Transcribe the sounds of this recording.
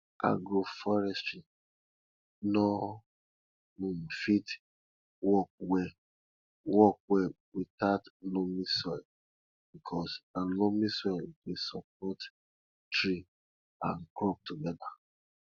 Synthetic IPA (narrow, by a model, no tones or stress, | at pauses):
a̰ɡɹofɔɹɛsti | nɔ | nũm̩fit | wɔk̚wɛ | wɔk̚wɛ | witatlomisɔɪl | b̥ikʰɔsalomisɔlkesɔp̚ɔt | tɹi | ãnkɹɔp̚tuɡɛda